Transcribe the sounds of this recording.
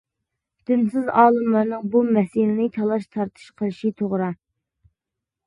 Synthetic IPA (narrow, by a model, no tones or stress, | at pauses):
d̪̥ɪnsɪzɑːlˠɨmlˠɑɾnɨŋbumɛsilɪnɪt̪ʰɑlˠɑʃt̪ʰɑɾt̪ʰɨ̥ʃqʰəlˠɨʃit̪ʰoʁɾɑ